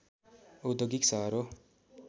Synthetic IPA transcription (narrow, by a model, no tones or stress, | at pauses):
od̪oɡiksʌɦɾo